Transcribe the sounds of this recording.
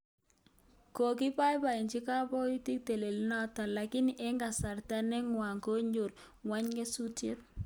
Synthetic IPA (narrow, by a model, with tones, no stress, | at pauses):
ko˨k̬ɪ˦pa˦jpa˨i˨nt͡ʃi˦ka˦pɔ˦ju˦ti˦k̚te˨le˨lna˦ta˨la˨kɪ˦nɛ˦ŋɡa˨sa˨rta˦nɛ˦ŋwa˨ŋko˦ɲo˨r | wa˦ɲɡe˦su˦tje˦t̚